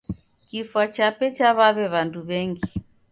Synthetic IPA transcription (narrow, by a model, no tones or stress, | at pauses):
kifwat͡ʃapɛt͡ʃaβaβɛβanduβɛŋɡi